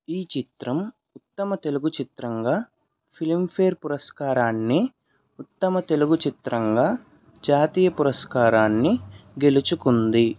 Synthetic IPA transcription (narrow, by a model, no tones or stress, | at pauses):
iːt͡ʃit̪ɾɐm | ut̪ːɐmɐt̪e̞luɡut͡ʃit̪ɾɐŋɡaː | pʰilimpʰeːɾpuɾɐskaːɾaːnːi | ut̪ːɐmɐt̪e̞luɡut͡ʃit̪ɾɐŋɡaː | d͡ʒaːt̪iːjɐpuɾɐskaːɾaːnːiɡe̞lut͡ʃukund̪i